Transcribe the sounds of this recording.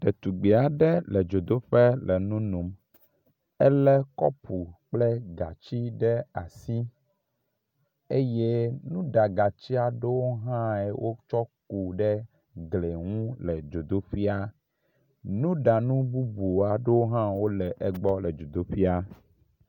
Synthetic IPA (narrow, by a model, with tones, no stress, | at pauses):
ɖ̥e˨t̪u˨ɡ͡be˨a˨ɖɛ˦lɛ˨d͡ʒo˨d̪o˦ɸɛ˦lɛ˨nũ˦nũ˨m | ɛ˦lɛ˦kɔ̰˦pu˨k͡plɛ˦ɡa˨t͡ɕi˦ɖɛ˦a˨si˦ | e˦je˦nũ˦ɖa˨ɡa˨t͡ɕi˦a˨ɖe˦wo˦ɦã˦ɛ˨wʔo˦t͡ʃɔ˦ku˨ɖɛ˦ | ɡle˨ŋũ˦lɛ˨d͡ʒo˨d̪o˦ɸi˦a˦ | nũ˦ɖa˨nũ˦bu˦bu˨a˨ɖe˦wo˦ɦã˦wo˦lɛ˨ʔɛ˦ɡ͡bɔ˦lɛ˨d͡ʒo˨d̪o˦ɸi˦a˦